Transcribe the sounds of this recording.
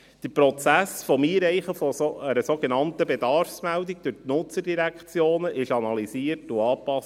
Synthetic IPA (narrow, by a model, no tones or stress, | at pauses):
d̪̥əɾpɾɔt͡sæsfɔmiːɾɛɪχəfɔoəɾəsoɡenɑntəbed̥ɑrfsmældiɡ̚d̥ʉʁtnʊt͡sədiɾækt͡sjoːnəʔɪʃɑnɑliziərtuɑːpɑs